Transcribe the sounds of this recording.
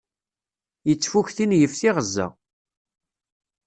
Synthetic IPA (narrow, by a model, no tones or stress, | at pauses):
jət͡sːfuçθinjəfθiʁəzːæ̰